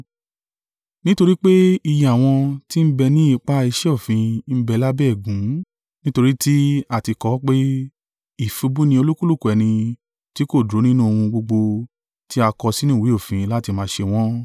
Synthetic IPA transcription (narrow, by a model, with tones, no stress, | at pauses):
nĩ˦to˧ɾi˦k͡pe˦i˧ja˨w̃ɔ̃˧ti˦m̩˦bɛ˧nĩ˦i˧k͡pa˦i˧ʃɛ˦o˦˨fĩ˨˧m̩˦bɛ˧la˦bɛ˦˨ɡũ˨˦ | nĩ˦to˧ɾi˦ti˦a˦˨ti˧kɔ˨˦k͡pe˦ | i˦˨fu˧bu˦nĩ˧o˧lu˦ku˦lu˦˨ku˨ɛ˨nĩ˧ | ti˦ko˦˨dɾo˨˦nĩ˦nũ˦o˧hũ˧ɡ͡bo˧ɡ͡bo˧ | ti˦a˧kɔ˧si˦nĩ˦˨wi˨˦o˦˨fĩ˨˧la˦ti˧mãː˧ʃe˧w̃ɔ̃˦